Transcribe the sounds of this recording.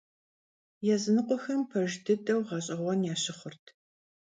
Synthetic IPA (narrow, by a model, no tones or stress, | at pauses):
jɛzɨnɨqʷʼɔxɐmpʰɐʒdɨtʼɐwʁɑɕʼɪʁʷɔnjaːɕɪχʷʊrtʰ